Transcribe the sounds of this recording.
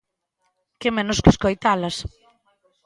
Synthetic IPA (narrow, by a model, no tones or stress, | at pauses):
kemenʊskeskojt̪alɐs